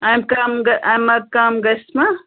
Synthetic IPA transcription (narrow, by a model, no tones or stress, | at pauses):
ajmkaːmɡɐajmːɐkaːmɡɐsmɐ